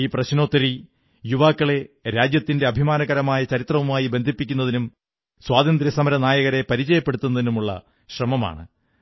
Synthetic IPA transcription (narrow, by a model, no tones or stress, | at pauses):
iːprɐɕno̞ːt̪ːɐɾi | juʋaːkːɐɭe̞ɾaːd͡ʑjɐt̪ːinde̞ɐbʱimaːnɐɣɐɾɐmaːjɐt͡ɕɐɾit̪rɐʋumaːjibe̞nd̪ʱipːikʲːunːɐðinum | swaːd̪ɐnd̪ɾjɐsɐmɐɾɐnaːjɐɣɐɾe̞pɐɾit͡ɕɐjɐpːe̞ɽut̪ːunːɐðinumuɭːɐ̰ | ɕrɐmɐma̰ːɳɨ